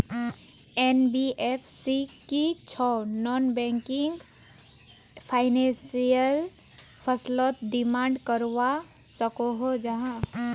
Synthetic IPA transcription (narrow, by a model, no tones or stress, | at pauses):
enbiʔepʰsikit͡ʃʰɔnɔnbɛ̃ŋkiŋɡ | pʰaɪnẽsijəl | pʰəslɔt̪ɖimãɳɖkəɾʋa | səkoɦod͡ʒaɦã